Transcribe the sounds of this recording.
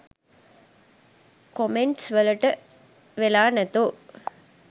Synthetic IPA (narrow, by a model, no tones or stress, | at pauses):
komeɳʈsʋɐlɐʈɐ | ʋelaːnɐt̪o